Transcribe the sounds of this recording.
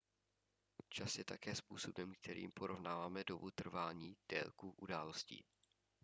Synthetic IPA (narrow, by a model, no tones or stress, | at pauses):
t͡ʃasjɛt̪akɛːspuːso̞bɛmkt̪ʰɛɾʔḭːmpoɾʔo̞vnaːvaːmɛdo̞but̪r̩vaːɲiːd̥ɛ̰lkuʔudaːlo̞scḭː